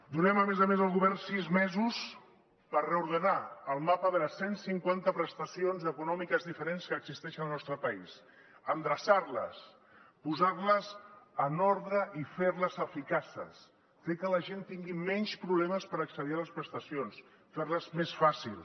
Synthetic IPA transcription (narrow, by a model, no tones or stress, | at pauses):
d̪unɛməmezəmezəlˠɣuβɛrnsizmɛzus | pərreuɾðənaəlˠmapəðələsːensiŋkwant̪əpɾəst̪əsionzəkunɔmikəzðifəɾenskəːɡzist̪ɛʃənəlˠnɔst̪ɾəpəis | ənd̪ɾəsarlə̰s | puzarləzənoɾðɾəʔifeɾləzəfikasə̰s | fekələʒent̪iŋɡimɛɲspɾuβlɛməspəɾəksəðialəspɾəst̪əsions | feɾləzmesfasilˠ